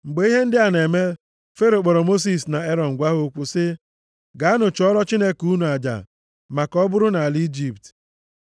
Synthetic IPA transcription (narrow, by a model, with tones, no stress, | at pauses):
ŋ͡m̩˨ɡ͡be˨˦i˦ɦe˦n̩˦dɪ˦a˨ne˨me˦ | fe˦ɾo˨k͡pɔ˨ɾɔ˨mo˦s̬i˨sna˨e˦ɾɔ˨ŋ̩˨ɡʷa˦ɦo˦kʷu˦sɪ˦ | ɡa˨a˦nʊ˨t͡ʃɔ˦ɾɔ˦t͡ʃi˦ne˦ku˦nu˨a˨d͡ʒa̰˨ | ma˨kɔ˦bʊ˦ɾʊ˦na˨a˨li˦d͡ʒi˨pt